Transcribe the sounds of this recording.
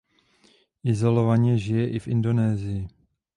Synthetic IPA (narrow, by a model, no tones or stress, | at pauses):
ʔɪzo̞lo̞vaɲɛʒɪjɛʔɪfʔɪ̰ndo̞nɛːzɪjɪ